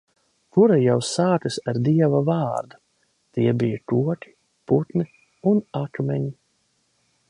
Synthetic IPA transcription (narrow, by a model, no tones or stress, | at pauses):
kuɾajawsaːt̪ɨsaɾd̪iɛvavaːɾd̪u | t̪iɛbijakuɔk̪ʲi̥ | put̪ni | unakmʲɛɲi